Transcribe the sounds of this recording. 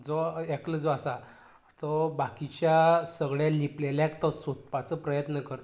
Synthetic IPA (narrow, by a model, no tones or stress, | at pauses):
d͡zoekləd͡zoasa | t̪ɔbakit͡ɕjasəɡɭjalipleljakt̪ɔsot̪̚pat͡səpɾəjət̪nəkəɾt̪